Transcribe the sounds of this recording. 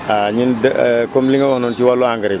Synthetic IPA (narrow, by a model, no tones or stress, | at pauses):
aɲindkomblĩŋawɔnɔ̃ntiwaloãŋɡɛɾe